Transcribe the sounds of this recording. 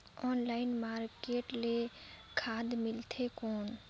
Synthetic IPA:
ɔːnlaːɪnmaːɾkeːʈlekʰaːd̪mɪlt̪ʰekɔːn

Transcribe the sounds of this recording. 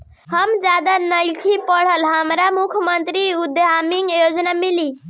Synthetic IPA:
həmd͡ʒjad̪anəjkʰipəɽ̤əlɦəmɾamukʰjəmənt̪ɾiud̪ɦamiŋɡjod͡ʒnamili

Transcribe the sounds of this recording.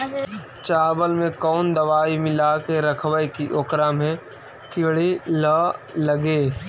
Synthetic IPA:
t͡ʃaːbəlmẽkɔːnd̪əʋaːimɪlakeɾəkʰwəjkiʔokɾaːmɦẽ | kɪɽilaləɡeː

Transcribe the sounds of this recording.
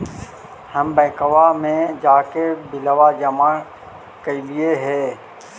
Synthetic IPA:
həmbɛ̃ːkəʋamẽd͡ʒaːkebɪləʋad͡ʒəmã | kəilieɦɛː

